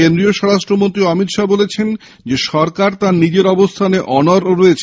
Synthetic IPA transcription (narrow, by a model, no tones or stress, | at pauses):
end̪ɾioʃɔɾaʃʈɾomont̪ɾiɔmit̪ʃabolet͡ɕʰen | d͡ʑeʃɔɾkaɾt̪aɾnid͡ʑeɾɔbost̪ʰaneʔɔnoɾɾoet͡ɕʰ